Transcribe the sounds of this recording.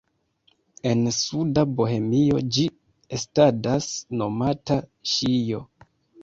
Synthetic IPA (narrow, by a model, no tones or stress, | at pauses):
e̞nsudaboɦe̞mio̞̰d͡ʒi | estadasno̞mataʃijo̞